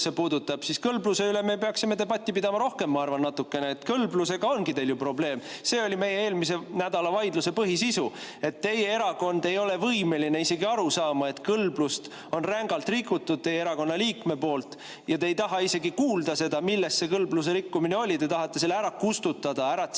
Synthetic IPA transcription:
sepuːd̪ut̪ːˑɑb̥siskɤlbluse̞yleme̞peɑksime̞t̪e̞bɑt̪ʲˑːipid̪̥ɑmɑɾo̞hke̞mːɑɑrvɑnːɑt̪ːˑukːe̞neet̪kɤlbluse̞ɡ̥ɑo̞nɡit̪e̞jljupro̞ble̞ːmse̞ːo̞lime̞jːeeːlmis̬e̞næd̪̥ɑlɑvɑjd̪luse̞pɤɦisisue̞t̪ːe̞jːee̞ɾɑko̞nd̪̥e̞jo̞le̞vɤjme̞line̞ise̞ɡiɑɾusɑːmɑe̞t̪kɤlblust̪ | o̞nræŋɡɑlt̪rikːˑut̪ːud̪̥̚t̪e̞jeeɾɑko̞nːɑliːkme̞po̞ːlt̪ | jɑt̪e̞ːjt̪ɑɦɑise̞ɡikuːld̪ɑse̞d̪̥ɑmilːe̞st̪se̞kɤlblus̬e̞ɾikːumineo̞lʲit̪e̞t̪ɑɦɑt̪ːese̞lːæɾɑkust̪ut̪ːˑɑd̪̥ɑæɾɑ

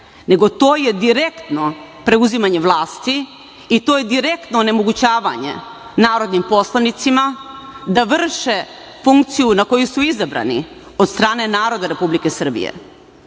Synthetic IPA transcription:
ne̞ɡo̞t̪o̞ːje̞d̪iɾe̞kt̪no̞ | pɾe̞uzimaɲe̞ʋlˠaːst̪i | it̪o̞je̞d̪iɾe̞kt̪noːnemo̞ɡut͡ɕaːʋa̰ɲe̞̰naːɾo̞d̪nimpo̞slˠanit̪simad̪aʋr̩ʃe̞ | fuŋkt̪sijunako̞jusuizabɾa̰nḭ | od̪st̪ɾaːne̞naːɾo̞d̪aɾe̞publike̞sr̩bḭjḛ

